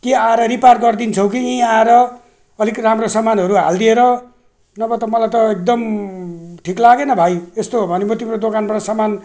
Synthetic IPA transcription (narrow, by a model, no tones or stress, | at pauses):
keaeɾʌɾiparɡʌrd̪int͡sʰʌwk̬iĩaeɾʌ | ʌlikramrosʌmanɦʌɾuɦa̰ld̪ieɾʌ | nʌbʌt̪ʌmʌlajt̪ʌek̚d̪ʌm | ʈʰiklaɡenʌbʱajest̪obʱʌnemʌt̪imrod̪okanbaʈasʌman